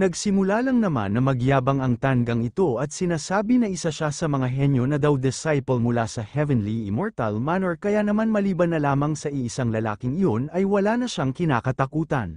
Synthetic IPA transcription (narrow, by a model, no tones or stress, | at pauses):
nɐɡsɪmʊlalɐŋnɐma̰nːɐmɐɡjaːbɐŋɐŋt̪aŋɡɐŋɪt̪o̞ʔɐt̪̚sɪnaːsaːbinɐʔɪsaʃasɐmɐŋaɦɛnjo̞nɐd̪awd̪ɪsajpɐlmʊlasɐhɛvɛnliɪmoɹt̪ɐ̰lmanɛɹkɐjanɐmanmɐliːbɐnːɐlaːmɐŋsɐʔiʔɪsaŋlɐla̰ːkɪŋɪjo̞nɐjwɐlaːnɐʃaŋkɪna̰ːkɐt̪ɐkuːt̪ɐ̰n